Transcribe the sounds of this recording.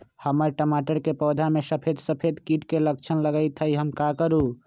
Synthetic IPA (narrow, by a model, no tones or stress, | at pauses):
həməɾʈəmaʈəɾkepɔːd̪ʱamesəpʰed̪səpʰed̪kiʈkelək̚t͡ʃʰənləɡəjt̪ʰəiɦəmkakəɾu